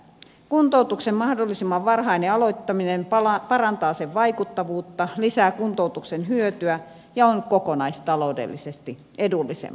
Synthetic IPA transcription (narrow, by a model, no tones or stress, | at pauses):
kunt̪out̪uksemmɑhdolːisimːɑʋʋɑrhɑineɑloit̪ːɑminenpɑrɑnt̪ɑːseʋʋɑikut̪ːɑʋuːt̪ːɑlisæːkunt̪out̪uksenɦyøt̪yæ | jɑonkokonɑist̪ɑloudḛlːisest̪i | ʔedulːisḛmː